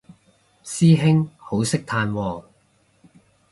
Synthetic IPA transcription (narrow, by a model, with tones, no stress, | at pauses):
siː˥ɦɪ˥ŋho˨˥wsɪ˥k̚t̪ʰaː˧nwɔː˧